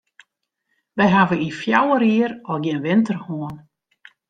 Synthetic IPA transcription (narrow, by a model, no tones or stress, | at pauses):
ʋɛjɦavəifjawəɾiəɾɔlɡjɪnʋɪntərhoən